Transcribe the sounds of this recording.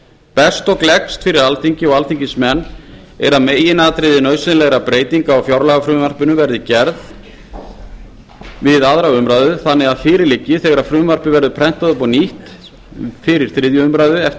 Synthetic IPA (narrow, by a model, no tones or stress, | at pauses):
pɛst̪ɔklɛkst̪fɪɾɪɾalθiɲcɪɔɣalt̪iɲcɪsmɛnː | ɛɾaðmeːjɪnaːðt̪ɾɪðɪnœːɥsɪnlɛɣɾapɾeːjt̪iŋkaɔwfjawɾlaɣafɾʏmvar̥pʏnʏvɛɾðɪcɛɾð | vɪðaðɾawʏmɾaːjðʏθanːɛɣaðfɪːɾɪɾlɪcːɪθɛɣaɾafɾʏːmvar̥pɪvɛɾðʏpʰɾɛn̥t̪aðʏpɔniht̪ | fɪɾɪɾ̥θɾɪðjʏʏmɾajðʏɛf